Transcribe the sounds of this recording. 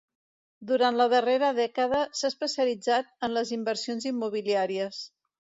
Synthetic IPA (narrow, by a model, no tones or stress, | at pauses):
d̪uɾant̪ləðəreɾəðɛkəðəsaəspəsiəlid͡zat̪̚ənləzimbəɾsionzimːuβ̞iliaɾiəs